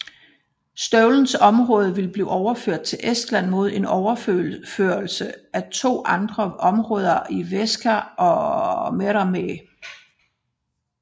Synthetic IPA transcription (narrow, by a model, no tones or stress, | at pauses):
sd̥œʊln̩sɒ̽mʁɔ̽ːð̞ˠʋe̝lb̥lḭːʔɒʊɐføɐ̰d̥̚t͡sʰe̝lʔesd̥læn̰mo̝ð̞ˠe̝nɒʊɐfø̰føːɐlsəæt͡sʰo̝̰ːʔɑ̈nd̥ʁɐʔɒ̽mʁɔ̽ːð̞ˠɐʔiʋesɡ̥ʰæɒ̽meʁɑme